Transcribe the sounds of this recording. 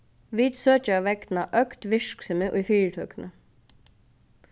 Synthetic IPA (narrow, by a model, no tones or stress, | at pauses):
ʋiːd̪søːt͡ʃəɑʋɛkd̪nɑʔœkt̪ʋɪʃksəməʔuːfiːɹʈʰøːknʔə